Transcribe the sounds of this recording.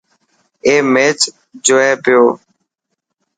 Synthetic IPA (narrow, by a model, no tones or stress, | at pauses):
eːmeːt͡ʃ | d͡ʒoːeːpɪjoː